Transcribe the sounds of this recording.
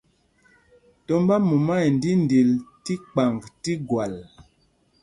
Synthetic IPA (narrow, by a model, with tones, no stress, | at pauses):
tɔ˦mba˦mu˨ma˦jn˨di˦n˨di˨lti˦k͡pa˨ŋɡti˦ɡwa˨l